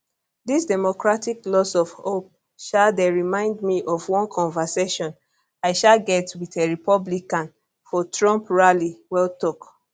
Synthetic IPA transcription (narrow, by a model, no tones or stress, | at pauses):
disdɛmokɹatiklɔsɔv̥hop̚ | ʃaldɛɹimãɪ̃ndmiʔɔvwɔ̃nkʰɔ̃nvɛseʃɔ̃n | aɪʃalɡɛtwiteɹipɔblikãn | fɔtɹɔ̃mpɹaliwɛltɔk